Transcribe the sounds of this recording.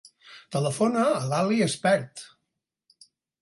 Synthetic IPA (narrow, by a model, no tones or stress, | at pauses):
t̪ələfonəːlaliəspɛɾt̪